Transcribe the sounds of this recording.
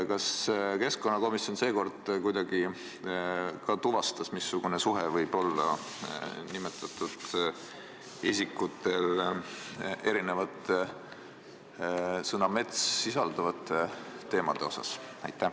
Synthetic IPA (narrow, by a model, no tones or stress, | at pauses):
kɑske̞sko̞nːɑko̞misjo̞nse̞ːko̞rd̪̥kujd̪̥ɑɡ̥i | kɑt̪uvɑst̪ɑsmisːuɡ̥une̞suɦevɤjb̥o̞lːɑ̰ | nimet̪ːˑɑt̪ːˑud̪̥ | isʲikːut̪ːe̞l | e̞ɾine̞vɑt̪ː | sɤnɑme̞t̪sːisɑld̪̥ɑvɑt̪ːˑeːe̞ːmɑd̪̥e̞o̞sɑ̰sɑ̰jt̪ˑːæ